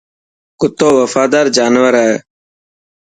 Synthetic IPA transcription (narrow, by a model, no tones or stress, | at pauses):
kʊt̪ːoːʋəfaːd̪aːɾd͡ʒaːnʋəɾaːḛː